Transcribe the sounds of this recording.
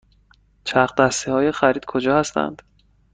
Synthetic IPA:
t͡ʃʰæχd̪æst̪ihɒːjexæɾiːd̪̥kʰod͡ʒɒːhæst̪æ̰nd̪̥

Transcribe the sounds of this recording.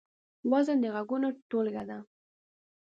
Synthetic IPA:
wɑzand̪əɣaɡunoʈolɡad̪a

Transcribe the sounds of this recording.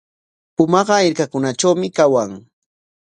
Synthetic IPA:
ʊmɑɢɑɪɾkakʊnat͡ʃawmɪkawaŋ

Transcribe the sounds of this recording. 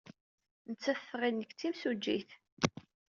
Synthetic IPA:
nət͡sːæθʁinːəkːt͡sːimsud͡ʒːiθ

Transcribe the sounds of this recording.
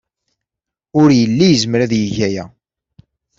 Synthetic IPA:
ʊɾjəlːijzəmɾæðjəʝæjæ

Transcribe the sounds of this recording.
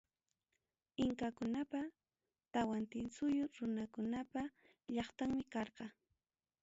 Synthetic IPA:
ɪŋkakʊnapa | t̪awant̪ɪnsʊjʊɾʊnakʊnapa | ʎɑχt̪aŋmɪkɑɾqɑ

